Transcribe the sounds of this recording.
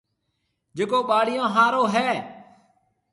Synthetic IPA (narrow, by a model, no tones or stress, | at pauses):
d͡ʒekoːɓaːɽɪjõːɦaːɾoːɦɛː